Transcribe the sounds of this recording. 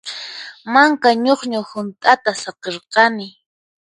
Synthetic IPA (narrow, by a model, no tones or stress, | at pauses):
maŋkaɲoχɲahʊnt̪ʼat̪asɑqeɾqɑnɪ